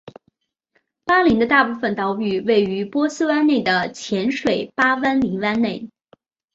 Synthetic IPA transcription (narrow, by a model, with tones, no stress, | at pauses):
pa˥li˧˥ŋd̪ə˧t̪a˥˧pu˥˩fə˨˩nt̪ɑ˧˥ʊpy˨˩we˥˩ɪy˧˥pwɔ˥sɹ̩˥wa˥nne˥˩ɪd̪ə˩t͡ɕʰjɛ˧˥nʂwe˨˩ɪpa˥wa˥nli˧˥ŋwa˥nne˥˩ɪ